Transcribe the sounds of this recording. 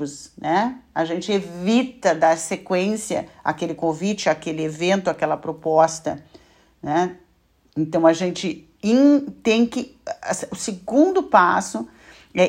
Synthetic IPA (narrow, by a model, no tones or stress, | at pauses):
ʊsnɛaʒẽnt͡ʃɪevit̪ɐd̪asekwẽsjɐ̰a̰kelɪkõvit͡ʃɪakelɪevẽnt̪ʊakɛlɐpɾopɔst̪ɐ | nɛ | ẽnt̪ɐ̃w̃ɐʒẽnt͡ʃɪ | ĩt̪ẽj̃kɪsʊsɪɡũnd̪ʊpasʊ | ɛ